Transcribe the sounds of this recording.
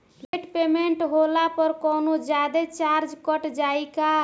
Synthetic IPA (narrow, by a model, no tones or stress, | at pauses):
leʈpemeɳʈɦolapəɾkɔnod͡ʒad̪et͡ʃaɾd͡ʒkəʈd͡ʒajɪka